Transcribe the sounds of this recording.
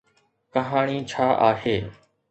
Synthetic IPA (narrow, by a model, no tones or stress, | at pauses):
kəɦaːɳ̃iːt͡ʃʰaːʔaːɦeː